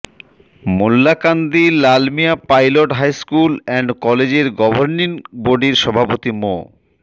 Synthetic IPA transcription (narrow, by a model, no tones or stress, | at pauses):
mulːakand̪ilalmiapajloʈɦajskulɛɳɖkɔled͡ʑeɾɡɔbʱoɾninʈboɖiɾʃɔbʱapot̪imo̰